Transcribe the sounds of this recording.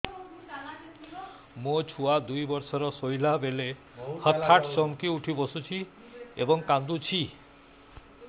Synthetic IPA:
mot͡ʃʰuad̪ujbɔɾsɔɾɔsojlabele | hɔt̪ʰːaʈsɔmkiuʈʰibosut͡ʃʰi | ḛbɔŋkand̪ut͡ʃʰi

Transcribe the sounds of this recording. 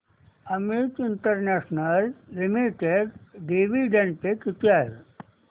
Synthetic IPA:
ɐmit̪iɳʈəɾneːʂnəlːimiʈeɖɖiʋiɖeɳɖ̚pekit̪jaːɦḛ

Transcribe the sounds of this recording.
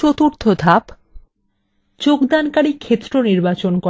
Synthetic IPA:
ot̪uɾt̪ʰod̪ʱap | t͡ɕokd̪ankaɽikʰet̪ːɾoniɾbat͡ɕonkɔ

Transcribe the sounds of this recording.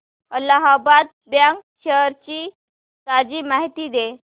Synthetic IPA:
əlaɦabad̪̚ | bjãŋk̚ɕəɾt͡ɕiː | sad͡ʑiːmaɦit̪iːd̪e

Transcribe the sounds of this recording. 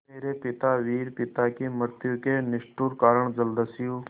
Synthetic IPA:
eːɾepɪt̪aːʋiːɾpɪt̪akiməɾt̪jukeːnɪʃʈuːɾkaːɾəɳd͡ʒəld̪əsɪjuː

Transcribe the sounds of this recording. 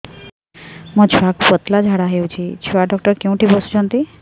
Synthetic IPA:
mət͡ɕʰiakpət̪lad͡ʑʱaɽaɦewt͡ɕʰit͡ɕʰiaɖɔk̚ʈəɾkeũʈʰibəsu̥t͡ɕʰə̃nt̪i

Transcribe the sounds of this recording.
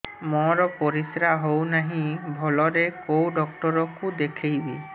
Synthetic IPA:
mɔɾɔpoɾisɾaɦownaɦĩbʱɔlɔɾekowɖɔk̚ʈɔɾɔkud̪ekʰejbi

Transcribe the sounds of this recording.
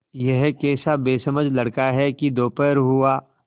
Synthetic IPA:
jɛɦkɛːsabeːsəməd͡ʒlɐɽkaɦɛkid̪oːpəɾɦʊaː

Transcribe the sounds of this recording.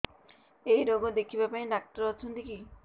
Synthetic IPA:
ejɾoɡod̪ekʰibapaĩɖak̚ʈɔɾɔt͡ʃʰɔnt̪iki

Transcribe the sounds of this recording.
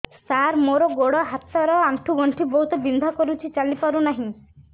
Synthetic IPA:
saɾmoɾɔɡoɽɔɦat̪saɾɔaɳʈʰuɡɔɳʈʰibɔɦut̪ɔbind̪ʱɔkɔɾut͡ʃʰit͡ʃalipaɾunaɦĩ

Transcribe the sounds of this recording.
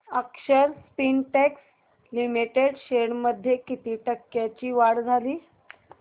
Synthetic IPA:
əkʂəɾspinʈɛks | limiʈeɽɕeɽməd̪ʱːjekit̪iːʈəkːjat͡ɕiːʋaɽd͡zʱaliː

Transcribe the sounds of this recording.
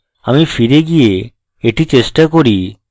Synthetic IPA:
amifiɾeɡije | eʈit͡ɕesʈakoɾi

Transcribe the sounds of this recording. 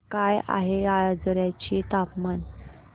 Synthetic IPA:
kaja̰ɦead͡zəɾjat͡ɕit̪apman

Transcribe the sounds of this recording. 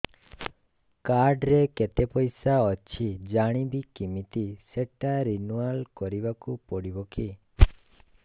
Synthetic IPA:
kaɾɖɾeket̪epɔjsaɔt͡ʃʰid͡ʒaɽ̃ibikimit̪iseʈaɾinualkɔɾibakupɔɽibɔki

